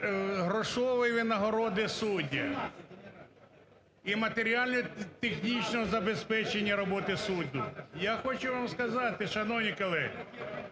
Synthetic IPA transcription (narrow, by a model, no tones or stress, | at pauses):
ɦɾɔʃɔʋɪʋʲinɐɦɔɾɔd̪ɪsudʲːɐ̰ | imɐt̪eɾʲialʲnɔt̪exnʲit͡ʃnɔɦɔzɐbespɛt͡ʃenʲːɐɾɔbɔt̪ɪsud̪ʲːʊjaxɔt͡ʃʊʋamskɐzɑt̪ɪʃɐnɔwnʲikɔlˠɛɦ